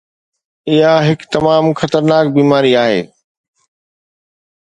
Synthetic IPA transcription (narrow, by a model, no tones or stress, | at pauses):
ɪɦaɦɪkt̪ɐmaːmxɐt̪əɾnaːk̚biːmaːɾiaːɦḛː